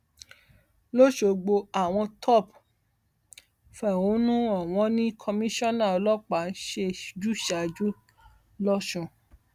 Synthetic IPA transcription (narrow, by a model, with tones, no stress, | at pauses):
lo˦ʃo˧ɡ͡bo˧a˨w̃ɔ̃˧tʰɔ˦˨p | fɛ˨o˨˦nũ˦a˦˨w̃ɔ̃˧nĩ˦kʰɔ˧mĩ˦ʃɔ̃˦nã˦˨ɔ˧lɔ˦k͡pa˨˦n̩˦ʃe˧d͡ʒu˦ʃa˨d͡ʒu˦ | lɔ˦ʃũ˦˧˨